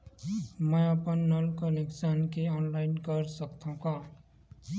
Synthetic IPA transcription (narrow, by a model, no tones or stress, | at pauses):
məʌpənːəlkəneksənkeɔːnlaɪnkəɾsəkt̪ʰãka